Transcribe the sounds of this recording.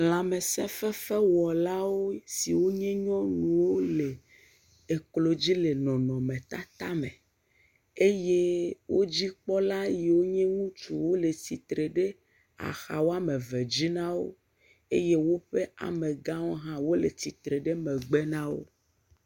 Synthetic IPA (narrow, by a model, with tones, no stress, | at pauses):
l̃a˨me˨sɛ̰̃˦fɛ˦fɛ˦wɔ˨la˦wo˦si˨wo˦ɲɛ̃˦ɲɔ̃˦nũ˨wo˦le˨ | e˨klo˨d͡ʑi˦le˨nɔ̃˨nɔ̃˨mẽ˨t̪a˦t̪a˦mḛ̃˨ | e˦je˦wo˦d͡ʑi˦k͡pɔ˦la˦je˨wo˦ɲɛ̃˦ŋũ˦t͡ʃu˨wo˦le˨ti˨t̪ɾe˨ɖe˦ | a̰˨xa˨wo˦a˦mẽ˨ve˨d͡ʑi˦nã˦wo̰˦ | e˦je˦wo˦ɸe˦a̰˨mẽ˨ɡã˦wɔ˦ɦã˦wo˦le˨t̪i˨t̪ɾe˨ɖe˦mẽ˨ɡ͡be˦nã˦wo̰˦